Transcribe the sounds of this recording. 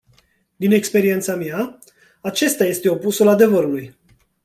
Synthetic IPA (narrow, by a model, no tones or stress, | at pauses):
d̪ine̞kspe̞ɾie̞nt̪samʲja | at͡ʃe̞st̪aje̞st̪e̞o̞pusulad̪e̞vəɾuluj